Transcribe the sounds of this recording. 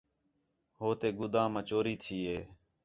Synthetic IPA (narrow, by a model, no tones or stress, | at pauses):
ɦoːt̪eːɡʊd̪ãːmãːt͡ʃoːɾiːt̪ʰiːeː